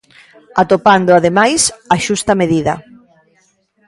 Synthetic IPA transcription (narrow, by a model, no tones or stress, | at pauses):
at̪opand̪ʊaðemajsaʃust̪ɐmeðiðɐ